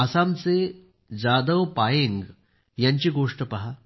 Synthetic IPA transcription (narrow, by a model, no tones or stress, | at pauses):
ɐsamt͡se | d͡ʑad̪əʋpajeŋɡ | jaɲt͡ɕiɡoʂʈəpɐɦa